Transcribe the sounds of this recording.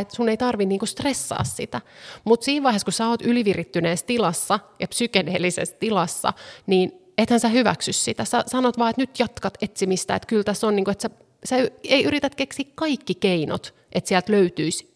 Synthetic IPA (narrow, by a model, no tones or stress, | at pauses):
et̪sunːeit̪ɑrʋinniːŋkust̪resːɑ̰ːssit̪æmut̪siːʋʋɑiheskusæoːt̪yliʋirit̪ːyneːst̪ilɑsːɑjɑpsykeneːlːisḛst̪ilɑsːɑ̰niːn | et̪hænsæhyʋæ̰ksyssit̪æsæsɑnot̪ʋɑːet̪nyt̪jɑt̪kɑt̪et̪simist̪æ̰ːḛt̪kylt̪æsːonniːŋkoet̪sæ | sæyeiʔyɾit̪æt̪keksiːkkɑikːikeino̰t̪ | ʔet̪siælt̪løyt̪yis